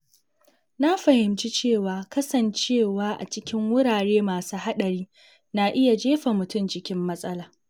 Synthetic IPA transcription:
na˦ɸɐ˨hɪ˨mt͡ʃi˦t͡ʃeː˦˨waː˨kɐ˦sɐ˨nt͡ʃeː˦˨waː˦ʔa̰˨t͡ʃɪ˦kʲɪ˦ŋwʊ˦ɽaː˨ɽeː˦maː˨suː˦ha˦ɗɐ˨ɽiː˦ | na˦ʔɪ˦ja˨d͡ʒeː˦ɸa˨mʊ˨tʊ˦md͡ʒɪ˦kʲɪ˦mːɐ˦sʼɐ˦laː˨

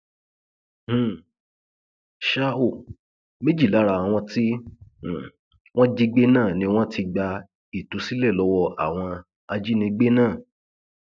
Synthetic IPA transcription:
h̩˦˨ | ʃa˦o˦˨ | me˦d͡ʒi˦˨la˨˦ɾa˧˨w̃ɔ̃˧tĩ˦˨ | w̃ɔ̃˦d͡ʒi˦˧ɡ͡be˦nãː˦˨nĩ˧w̃ɔ̃˦tʰi˧ɡ͡ba˧ | i˨tu˨˧˦si˦lɛ˦˨lɔ˨˦wɔ˧a̰˦˨w̃ɔ̃˧ | a˧d͡ʒi˦nĩ˧ɡ͡be˦nãː˦˨

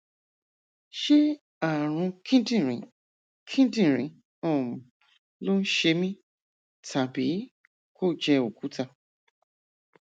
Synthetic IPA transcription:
ʃe˦ | a˨ɾ̃ũ˧kʰĩ˦dĩ˨ɾĩ˨ | kʰĩ˦dĩ˦˨ɾ̃ĩ˨˦ | ɔ̃˦˨m̃˨ | lo˦n̩˦ʃe˧mĩ˦ | tʰa˨bi˨˦ | ko˦˨d͡ʒɛ˧o˨ku˨˦ta˧

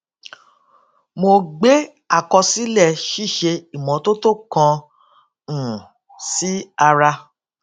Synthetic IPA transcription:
mo˧ɡ͡be˦ | a˦˨kɔ˧si˦lɛ˦˨ʃi˦˨ʃe˧i˨mɔ̃˨˦to˦to˦˨kɔ̃˧ | ũ˨ | si˦a˧ɾa˧

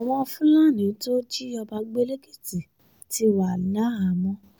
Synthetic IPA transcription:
w̃ɔ̃˧fũ˦la˦˨nĩ˨˦to˦d͡ʒi˦ɔ˧ba˧ɡ͡be˦le˦ɡe˦˨ti˨ | ti˧˦wa˨la˨˦a˨mɔ̃˧˦

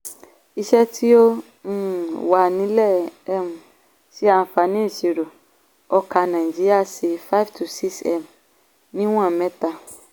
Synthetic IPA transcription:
i˦ʃɛ˦tʰi˦õ˦˨ | wa˨nĩ˨˦lɛ˦ɛ˦˨m˨ | si˦ã˨fa˧nĩ˦˨si˨ɾo˨ | ɔ˧ka˧nã˨d͡ʒi˦i˦a˦˨si˧fa˦ftʰu˨si˦sɛ̰˦˨m | nĩ˦w̃ã˦˨mɛ̃˦ta˧

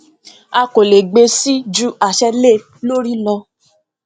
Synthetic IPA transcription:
a˧ko˨le˨ɡ͡be˧si˦d͡ʒu˦a˨ʃɛ˧le˦˨ | lo˦ɾi˦lɔ˧

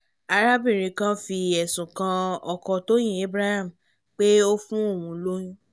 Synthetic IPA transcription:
a˧ɾa˦bĩ˦˨ɾ̃ĩ˧kã˦fi˧ɛ˨sũ˨kã˧ɔ˨kɔ˧to˦j̃ĩ˦e˦bɾa˦ha˦˨m˨ | k͡pe˦o˦fũ˦o˦˨wũ˨˧lo˦jĩ˦

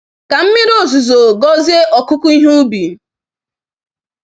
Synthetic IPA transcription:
ka˨m̩˦mɪ˦ɾo˦˨zu˨zo˨ɡɔ˦zi˦e˦ʔɔ˨kʊ˦ku˦i˦ɦu˦bi˨

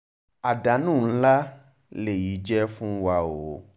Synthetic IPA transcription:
a˨da˨˦nũ˦˨˦la˦ | le˨ji˨˦d͡ʒɛ˦fũ˦wa˧o˨˦

